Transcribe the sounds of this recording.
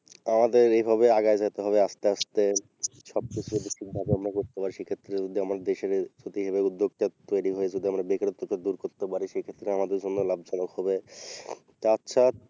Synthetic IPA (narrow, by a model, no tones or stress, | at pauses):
amad̪eɾejbʱaβeaɡaed͡ʑat̪eɦɔβeaʃt̪eaʃt̪e | ʃɔb̚kit͡ɕʰuɾebiʃik̚bʱabeamɾakoɾt̪epaɾiʃejkʰet̪ːɾed͡ʑod̪ʱiamaɾd̪eʃeɾd͡ʑot̪iɦeβeud̪ːoɡt̪at̪oeɾiɦoed͡ʑod̪iamɾabekɾot̪ːokːed̪uɾkoɾt̪epaɾiʃejkʰet̪ːɾeamad̪eɾd͡ʑonːolab̚d͡ʑanokɦɔbe | t̪aatːɕʰa